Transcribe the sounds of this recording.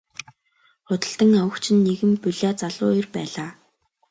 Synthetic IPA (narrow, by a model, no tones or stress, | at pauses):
χʊt̪ə̆ɬt̪ə̆ŋawə̆kt͡ɕʰɪ̆nːeɣɘ̆mpɵɮʲaːt͡saɮʊ̰ːirpæːɮaː